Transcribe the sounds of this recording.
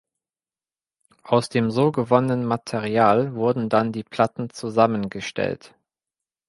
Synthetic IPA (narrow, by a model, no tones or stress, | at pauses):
ʔaʊsd̥eːmzoːɡəvɔnənənmatʰeʁiaːlvʊɐdn̩dandiːpʰl̥atn̩t͡suzamənɡəʃtɛ̰lt